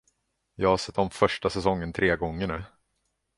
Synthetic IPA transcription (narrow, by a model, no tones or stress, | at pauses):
jɑːɡhasɛt̪ːɔmfœʂʈasɛsɔŋːənt̪ʰɾeːɡɔŋːəɳʉː